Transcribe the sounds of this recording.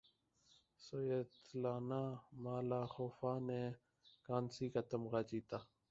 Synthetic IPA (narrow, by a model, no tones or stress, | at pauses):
sojeːt̪laːnaːmaːlaːxoːfaːneː | kaːnsiːkaːt̪əmɣaːt͡ʃiːt̪aː